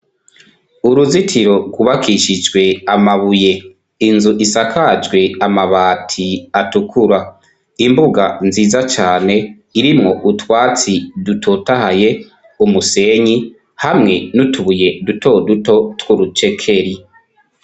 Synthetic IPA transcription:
uɾuzitʰiɾo̞ɡuβakʰiʃid͡ʒɡwe̞amaβuje̞ | inzuʔisakʰad͡ʒɡwe̞amaβaːtʰiatukʰuɾa | imbuɡanziːzat͡ʃaːne̞ | iɾimŋo̞ʔutwaːt͡sidutʰotahaje̞ | umuse̞ɲi | hamŋe̞nutuβuje̞dutʰo̞duto̞twuɾut͡ʃe̞kʰe̞ɾi

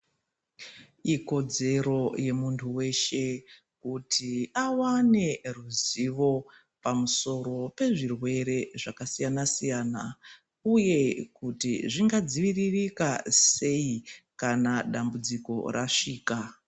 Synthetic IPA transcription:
iko̞d͡ze̞ɾo̞je̞muntʰuwe̞ʃe̞ | kutʰiawane̞ruziʋo̞ | pamuso̞ɾo̞pe̞ʐirwe̞ɾe̞ʐakasijanasijaːna | uje̞kutiʐiŋɡad͡ziʋiririkase̞ikanaɗambud͡ziko̞̰raʂiːka

